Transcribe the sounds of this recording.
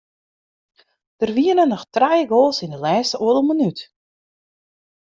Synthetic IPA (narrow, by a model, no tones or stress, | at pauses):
d̥ərʋiənənɔxtrɛjəɡoːlˠsɪndəlɛːstəʔoələmonyt